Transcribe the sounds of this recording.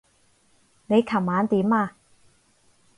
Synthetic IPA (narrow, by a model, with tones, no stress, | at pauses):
ne˨˧jkʰɐ˨˩waː˨˧nt̪iː˨˥maː˧